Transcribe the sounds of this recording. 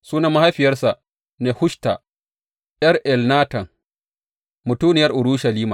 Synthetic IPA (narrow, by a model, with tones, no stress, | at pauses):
suː˦na˦ma˦ha˦ɸɪ˨jɐ˦rsa˨ʔ | ne˨hʊ˦ʃta˨ | ɗʲɐ˦rʔɛ˨lnaː˦tɐ˨ŋ | mʊ˨tuː˦nɪ˨jɐ˦rʔʊ˨ɽu˦ʃɐ˨liː˦ma˨